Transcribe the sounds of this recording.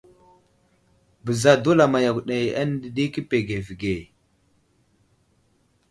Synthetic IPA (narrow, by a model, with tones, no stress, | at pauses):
bə˨za˨du˦la˨ma˨ja˨kɗe˨ja˦n˦di˨ɗi˦ki˦pe˨ɡe˨vi˨ɡe˨